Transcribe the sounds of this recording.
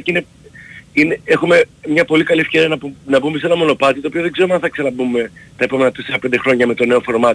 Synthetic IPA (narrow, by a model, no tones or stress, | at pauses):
ine | ineexume̞mɲɐpo̞likɐliefçe̞ɾiɐnɐpunɐbumese̞nɐmo̞no̞pɐt̪it̪oːpioðe̞ɡzeɾumɐnθɐksenɐbumːe̞t̪ɐepomenɐt̪iseɐpend̪e̞xɾo̞ɲɐme̞t̪o̞ne̞ofo̞ɾmɐt̪